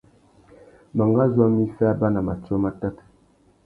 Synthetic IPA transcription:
ma˨ŋɡa˦zwa˦mi˦fa˦ba˦na˨ma˨t͡ʃo˦ma˦ta˦t

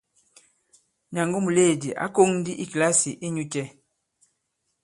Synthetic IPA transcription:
ɲa˨ŋɡo˦mu˨le˦˨di˨ʔa̰˨˦ko˦ŋ˦di˦ʔi˦kla˦si˨ʔi˦ɲu˦t͡ʃɛ˦

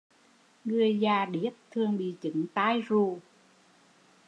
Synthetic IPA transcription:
ŋɨ˨˩əjzaː˨˩ɗi˨˦˥ət̚t̪ʰɨ˨˩əŋɓḭ˧˨t͡ɕɨ̰˨˦ŋt̪aː˧jzu˨˩

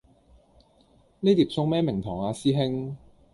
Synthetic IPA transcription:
ne˥t̪iː˨˩p̚sʊ˥ŋmɛː˥mɪ˨˩ŋt̪ʰɔː˨˩ŋaː˧siː˥ɦɪ˥ŋ

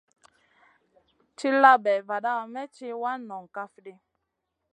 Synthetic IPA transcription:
t͡ʃi˦la˦bɛ˨va˨ɗa˦˨mɛ˦t͡ʃi˦wa˦nɔ˨ŋ˨ka˦fdi˦

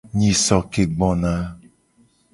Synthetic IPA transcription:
ɲĩ˨sɔ˨ke˨ɡ͡bɔ̃˨na˦

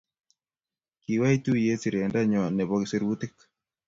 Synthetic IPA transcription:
ki˨wa˦i˦tu˦je˦si˨ɾe˨nda˦ɲɔ˨nɛ˨βɔkise˦ɾwu˦ti˦k

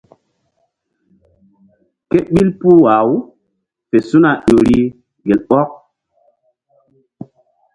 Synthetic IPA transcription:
ke˦ɓi˦lpu˦wa˨w | pe˨su˦na˨ɗo˨ɾi˦ | ɡe˨lɓɔ˦k̚

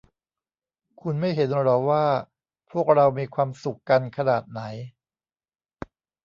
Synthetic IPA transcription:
kʰu˧nma˥˩jɦe˩˦nɾɔː˨˩waː˥˩ | pʰu˥˩ək̚ɾa˧wmiː˧kʰwaː˧msu˨˩kːa˧nkʰa˧naː˨˩t̪̚na˩˦j

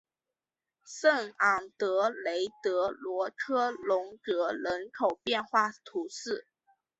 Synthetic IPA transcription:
sə˥˩ŋɑ˨˩ŋt̪ɤ˧˥le˧˥ɪt̪ɤ˧˥lwɔ˧˥kʰɤ˥lʊ˧˥ŋʈ͡ʂɤ˧˥ɻə˧˥nkʰo˨˩ʊpjɛ˥˧nxwa˥˩t̪ʰu˧˥sɹ̩˥˩

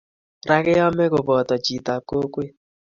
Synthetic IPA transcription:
ɾa˦kɪ˦jɔ˦mɛ˦kʊ˨bɔ˨tɔ˨t͡ʃi˨ta˨ko˦kwe˦

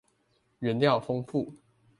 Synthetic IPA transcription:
ɥɛ˨˦nljɑ˥˨ʊfɤ˦ŋfu˥˨˩

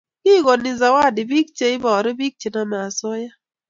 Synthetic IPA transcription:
kɪ˦˨ɡɔ˨nɪ˨za˨wa˦˨dɪ˨bi˦k̚t͡ʃe˨˦ɪ˦ba˨ɔ˨ɾɛ˦bi˦k̚t͡ʃe˨na˦na˨a˨sɔ˦ja˦

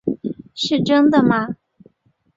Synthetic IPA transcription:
ʂɻ̩˥˩ʈ͡ʂə˥ŋd̪ə˨mɐ˧

